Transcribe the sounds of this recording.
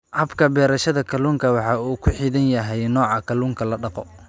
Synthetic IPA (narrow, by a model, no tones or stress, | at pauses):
hɐbkʰɐbɛːɾɐʃɐðɐkʰɐluːŋkʰɐwɑħɑuːkʰʊħiːðɐnjɐɦɛjnɔːʕɑkʰɐluːŋkʰɐlɐɖɑqɔ